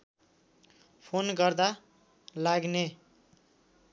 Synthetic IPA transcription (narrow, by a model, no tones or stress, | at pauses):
pʰonɡʌrd̪a | laɡne